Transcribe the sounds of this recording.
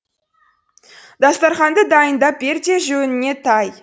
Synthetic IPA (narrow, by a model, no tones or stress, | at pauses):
d̪ɑst̪ɑɾχɑnd̪əd̪ɑjənd̪ɑp̚be̞ɾd̪ʲeʒɵnɪne̞t̪ʰɑj